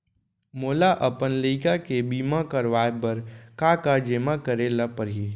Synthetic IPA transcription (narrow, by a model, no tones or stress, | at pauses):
moːlaʔɐpənləɪkakebiːmakəɾʋaːjpəɾkakad͡ʒeːmakəɾelapəɾɦiː